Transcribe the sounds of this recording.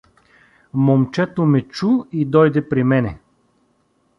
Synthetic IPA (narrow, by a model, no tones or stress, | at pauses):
momt͡ʃɛt̪omɛt͡ʃuid̪ɔjd̪ɛpɾimɛnɛ